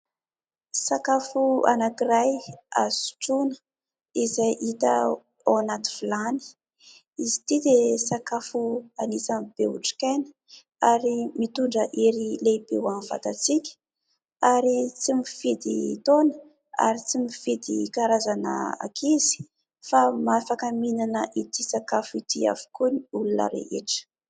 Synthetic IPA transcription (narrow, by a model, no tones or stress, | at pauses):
sakafua̰nakiɾajazi̥su̥ʈ͡ʂunə̥ | izajʔit̪ə̰ | awanat̪i̥vilani̥ | izi̥t̪id̪esakafuanit͡samb̥eṵʈ͡ʂi̥kajnə̥ | aɾimit̪uɳɖ͡ʐəʔiɾilebewamiv̥a̰t̪at͡sikʲ | aɾit͡simifid̪it̪onə̥ | a̰ɾit͡simifid̪ikaɾazanə̰a̰kʰizi̥ | famafakaminanəʔit̪isakafuit̪ia̰vu̥kuniulunə̰ɾḛʔeʈ͡ʂə̥